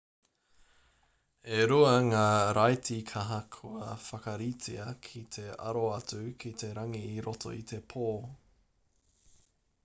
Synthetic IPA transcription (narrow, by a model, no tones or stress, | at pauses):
eɾuɐŋaːɾʔajtikʰɐɦɐkʰuɐfɐkɐɾit͡siɐkʰit̪ʰe̞ɐ̰ɾoɐt͡sʉkʰit̪ʰe̞ɾɐŋiːɾotʰo̞̰ḭt̪ʰe̞pʰoː